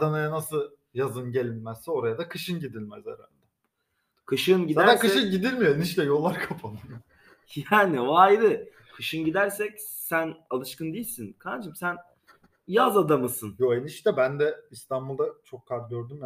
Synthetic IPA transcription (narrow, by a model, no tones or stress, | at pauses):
anajanasɯ | jazɯnɟelʲimæzsɛo̞ɾajad̪akʰɯʃɯnɟid̪ilʲmɛzḛɾa̰ld̪ɛ | kʰɯʃɯnɟid̪d̪askɯɛʃɯnɟid̪ilʲmijoeniʃlʲɛjo̞lˠːaɾkʰapʰanɯnɯ | jaːnivajɾɯ | kʰɯʃɯnɟid̪æɾsɛc | sænalˠɯʃkɯnd̪ejilʲsinkʰad̪d͡ʒɯmsæn | jazad̪amɯsɯnjoeniʃlʲɛbænd̪ɛist̪ʰanbulˠd̪at͡ʃʰo̞kʰːaɾɟø̞ɾd̪ym